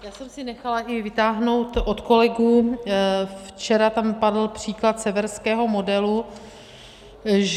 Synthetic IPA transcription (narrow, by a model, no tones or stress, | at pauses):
jaːsɛmsɪnɛxalaʔɪvɪt̪aːɦno̞wt̪ʔot̪ko̞lɛɡuː | ft͡ʃɛɾat̪ampadl̩pr̝̥iːklat̪sɛvɛɾskɛːɦo̞modɛlu | ʒ